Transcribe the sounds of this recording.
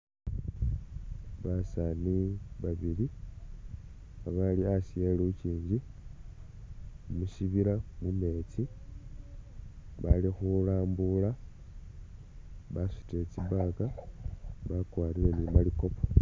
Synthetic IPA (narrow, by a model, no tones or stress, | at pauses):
βasaniβaβili | aβaliasijeliuciːɲɟi | umuʃiβiɾamume̞t͡si | βalixulaːmbula | βasi̥tet͡siβaka | βakwaːliɾe̞nimaliko̞po̥